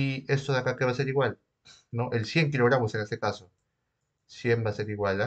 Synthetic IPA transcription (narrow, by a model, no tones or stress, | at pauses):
iest̪oðakakeβaseɾiɣwal | no̞ʔelsje̞ŋkilo̞ɣɾamo̞senest̪e̞kaso | sje̞mbase̞ɾiɣwala